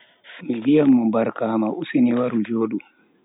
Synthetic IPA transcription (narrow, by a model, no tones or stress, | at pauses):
mivijamːɔbaɾkamaʔusiniwaɾud͡ʒoːɗum